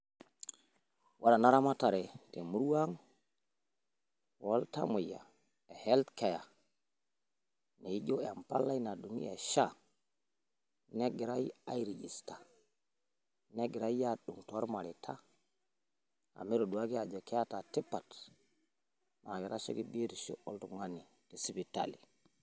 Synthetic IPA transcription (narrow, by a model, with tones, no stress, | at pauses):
wʔa˦ɾa˨na˦ɾa˦ma˦ta˨ɾe˨te˨mu˦ɾu˦wa˦ŋ | wo˦lta̰˦mu˨ja̰˨ | e˨he˦ltke˨ja˨ | ne˨i˦d͡ʒo˦˨a˨mpa̰˦lːa˦i˦na˨du˨nḭ˦ja̰˨ʃa˦˨ | ne˦ɡi˨ɾa˦ji˦a˦jɾi˨ɡi˨sta˨ | ne˦ɡi˨ɾa˦i˦ja˦ɗu˨ŋto˦ɾma˨li˨tʰa̰˦ | a̰˨mi˦ɾo˨du˨a˦ki˦a˨d͡ʒo˨ke˦ja˦ta˨ti˦pa˨t | ma˨ɡi˨ɾa˦ʃḛ˦ki˦bi˦ɾi˨ʃo̰˦ʔo̰˦ltu˨ŋa˦ni˨ | te˨si˦bi˨ta̰˨li˨